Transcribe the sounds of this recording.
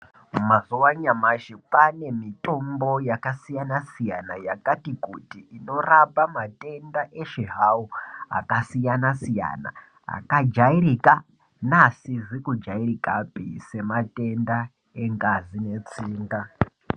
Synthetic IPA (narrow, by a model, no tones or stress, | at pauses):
mmazuwaɲamaʃipane̞mitʼo̞mbo̞jakasijanasijanajakatikutiʔːno̞rabamatʼe̞ndaʔe̞ʃeɦaua̰kasijanasija̰na̰ | a̰kad͡ʒaiɾika | nasiʐikud͡ʒairikapḭse̞mate̞nda | e̞ŋɡazine̞t͡siːŋɡa